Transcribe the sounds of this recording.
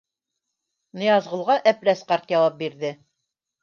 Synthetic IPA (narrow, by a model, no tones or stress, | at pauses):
nɤ̆jɑzʁɤ̆lˠʁɑʔæpɾæsqɑɾt̪jɑwɑp̚biɾðɘ